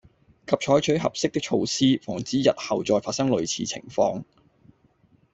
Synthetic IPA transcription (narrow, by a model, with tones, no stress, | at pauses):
kʰɐ˨p̚t͡ʃʰɔː˨˥jt͡ʃʰɵ˨˥ɥɦɐ˨p̚sɪ˥k̚t̪ɪ˥k̚t͡ʃʰo˧wsiː˥fɔː˨˩ŋt͡siː˨˥jɐ˨t̚hɐ˨wt͡sɔː˧jfaː˧t̚sɐ˥ŋlɵ˨˧ɥt͡sʰiː˨˧t͡sʰɪ̰˨˩ŋfɔ̰ː˧ŋ